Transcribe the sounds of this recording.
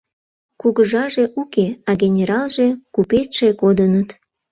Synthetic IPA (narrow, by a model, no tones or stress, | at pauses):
kuɣəʒɑʒe̽ʔukeɑɣʲenʲeɾɑlʒekupet̪ʃekod̪ənət̪